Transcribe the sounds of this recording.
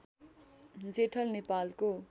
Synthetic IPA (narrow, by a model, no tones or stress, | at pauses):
d͡zeʈʰʌlnepalko